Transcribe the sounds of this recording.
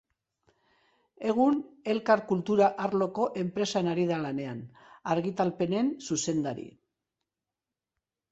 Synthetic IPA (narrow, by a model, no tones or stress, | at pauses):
e̞ɣ̞une̞lkaɾkult̪uɾaʔaɾlo̞ko̞ʔe̞mpɾe̞sanaɾið̞alane̞an | aɾɣit̪alpe̞ne̞nsuse̞nd̪aɾḭ